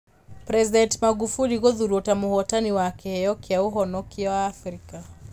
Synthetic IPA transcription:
pɾɛzidɛntmaɡufuliɣɔðuɾutamuhɔtaniwakɛhɛjɔkiauɦɔnɔkiɔwaːfɾika

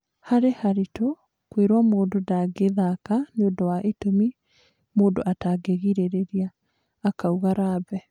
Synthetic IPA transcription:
haɾehaɾito | kweɾwamoːndodaɡeðakaneondɔwaʔetomi | moːndoʔataɡeɣiɾeɾeɾiaː | kauɣaɾabɛ

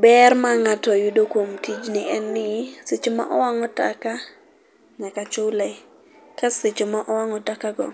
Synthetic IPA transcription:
bɛrmaŋatɔjudokwomtʰid͡ʒnɪʔɛnːɪsɪt͡ʃma̰ʔɔwaŋɔtaka | ɲakat͡ʃʊlɛ | kasɪt͡ʃɔmaʔɔwaŋɔtakaɡɔ̰

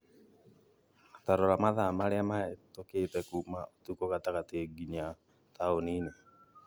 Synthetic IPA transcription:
taɾoɾamaðamaɾeamaetoketɛkumaotukoɣataɣatieɡiɲa | taonine

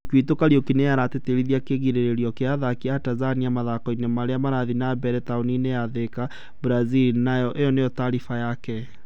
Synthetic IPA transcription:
kwitokaɾiokineaɾateteɾiðiakeɣiɾeɾeɾiɔkeaðakiatazaniamaðakɔinemaɾeamaɾaðinabɛɾɛtaonineaðeka | bɾazilnajɔʔejɔnejɔtaɾifajakɛ

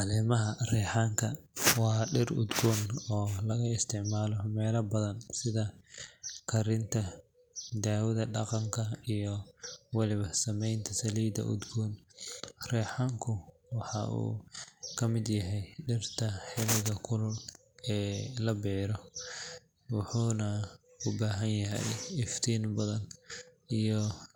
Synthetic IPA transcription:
ɑlɛːmɐɦɐrɛːħaːŋkʰɐwɑːɖɪrʊ̰d̪ɡɔːnɔːlɐɣɐɪst̪ʰɪʕmaːlɔmɛːlɐbɐðɐnsɪðɐ | kʰɐɾɪnt̪ʰɐ | d̪aːwʊðɐɖɑqɑŋkʰɐijɔwɑlɪβɐsɐmɛjnt̪ʰɐsɐliːd̪ɐ̰ʔʊ̰d̪ɡɔːn | rɛːħɑŋkʰʊ | wɑħɑ̰ʔṵːkʰɐmɪd̪jɐɦɛjɖɪrt̪ʰɐħɛlɪɣɐkʰʊlʊl | ɛːlɐbiːɾɔ | wɑħuːnɐ | ʊbaːɦɐnjɐɦɛ̰jɪft̪ʰiːnbɐðɐn | ijɔ

